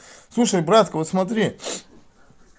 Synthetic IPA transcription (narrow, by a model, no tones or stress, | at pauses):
slˠuʂəjbɾat̪kəvot̪smɐt̪ɾʲi